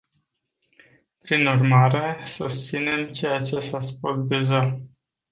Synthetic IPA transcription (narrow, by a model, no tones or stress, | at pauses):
pɾinurmaɾe̞sust̪sine̞mt͡ʃe̞jat͡ʃe̞saspusd̪e̞ʒa